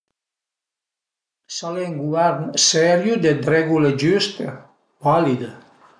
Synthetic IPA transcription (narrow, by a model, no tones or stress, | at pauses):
saleŋɡuɛɾnsɛɾjud̪ed̪ɾɛɡuləd͡ʒyst̪ə | valid̪ə